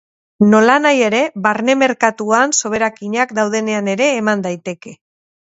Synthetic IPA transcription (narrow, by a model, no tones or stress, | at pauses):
no̞lanaje̞ɾe̞βaɾne̞me̞ɾkat̪uanso̞β̞e̞ɾakiɲakd̪awð̞e̞ne̞ane̞ɾe̞ːmand̪ajt̪e̞ke̞